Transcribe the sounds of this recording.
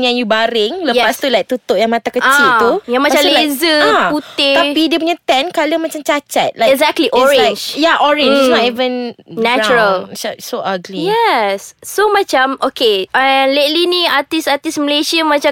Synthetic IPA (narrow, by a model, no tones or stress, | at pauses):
ŋjãŋjubaɾɪŋləjɛpast̪ulajk̚t̪ut̪ʊʔ̚jaŋmat̪akəat͡ʃilt̪ujaŋmaat͡ʃãlezəaput̪ɪt̪apidiəp̬uɲat̪ɛ̃nkaləmat͡ʃamt͡ʃat͡ʃat̪̚laɛzɛk̚t̪liʔɔɹɛ̃nd͡ʒjaʔɔɹɪ̃nd͡ʒsnɔtivə̃nnːɛt͡ʃuɾəlʃasoʔaɡlijɛsːomat͡ʃãmʔokeəlet̪̚liniat̪isat̪isməlesiəmãt͡ʃa